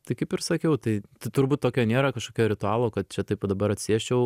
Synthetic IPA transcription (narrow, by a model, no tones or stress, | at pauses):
t̪ɐɪkɐɪpɪɾsɐkʲɛʊt̪ɐɪt̪ɐɪt̪ʊɾbuːt̪̚t̪ːoːkʲoːnʲeːɾɐkɐʃkoːkʲoːɾʲɪt̪ʊɑːlˠoːkɐt̪̚t͡ʃʲɛt̪ɐɪpoːd̪ɐbɐɾɐt̪ʲsʲiɛʃʲt͡ʃʲɛʊ